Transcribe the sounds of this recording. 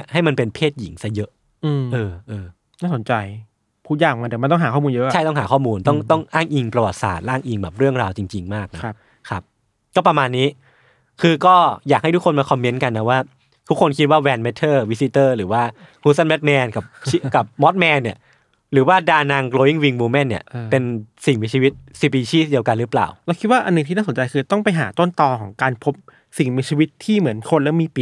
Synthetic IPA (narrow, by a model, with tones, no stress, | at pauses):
əha˥˩jma˧npe˧npʰeː˥˩t̪̚ji˨˩˦ŋsa˧˥jɤ˦˥ʔ | ʔɤː˧ʔɤː˧ | naː˥˩so˩˦nt͡ɕa˧j | pʰuː˥˩t̪̚jaː˧˩ŋma˧d̪ɛ˨˩˦ma˧t̪ɔ˥˩ŋɦaː˩˦kʰɔː˥˩uː˧njɤ˦˥ʔʰa˥˩jt̪ɔ˥˩ŋɦaː˩˦kʰɔː˥˩muː˧nt̪ɔ˥˩ŋt̪ɔ˥˩ŋʔaː˥˩ŋʔi˧ŋpɾa˧wa˨˩t̪̚sa̰ː˨˩t̪̚ɾaː˥˩ŋʔi˧ŋbɛː˨˩p̚ɾɯ˥˩əŋɾaː˧wt͡ɕi˧ŋt͡ɕi˧ŋmaː˥˩k̚na˦ | kʰɾa˦˥p̚ | kɔː˥˩pɾa˧maː˧nːiː˦˥ | kʰɯː˧kɔː˥˩jaː˨˩k̚ha˥˩t̪ʰu˦˥kʰo˧nmaː˧kʰɔ˧mːe˦˥nka˧nːa˦˥waː˥˩ | t̪ʰu˦˥kʰːo˧nkʰi˦t̪̚waː˥˩wɛː˧nme˦˥t̪ʰːɤː˥˩wi˦˥si˧t̪ɤː˥˩ɾɯː˩˦waː˥˩kʰuː˧˥sa˥˩nbɛ˦˥t̪̚mɛː˧nka˨˩p̚t͡ɕi˧˥ka˨˩p̚mɔ˦˥t̪̚mɛː˧nːi˨˩ɐ | ɾɯː˩˦waː˥˩daː˧naː˧ŋkloː˧wi˥˩ŋwi˧ŋmuː˧mɛ˥˩nːi˥˩ɐpe˧nsi˨˩ŋmiː˧t͡ɕʰi˧wi˦˥t̪̚si˧˩p̬iː˧t͡ɕʰiː˥˩di˧əwka˧nɾɯ˦˥pla̰ː˨˩wlɛ˧˥wkʰi˦˥t̪̚waː˥˩ʔa˧nːɯ˨ŋt̪ʰiː˥˧naː˥˩so˩˦nt͡ɕa˧jkʰɯː˧t̪ɔ˥˩ŋpa˧jɦaː˩˦t̪o˥˩nt̪ɔː˧kʰɔː˩˦ŋkaː˧npʰo˦˥p̚ | si˨˩ŋmiː˧t͡ɕʰi˧wi˦˥t̪ʰːiː˥˩mɯ˩˦ənkʰo˧nlɛ˦˥miː˧pi˨˩